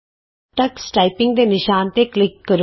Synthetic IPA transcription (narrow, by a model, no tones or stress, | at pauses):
ʈəksʈaːipɪ̃ŋɡ̚d̪eːnɪʃaːnt̪eːklɪkːəɾ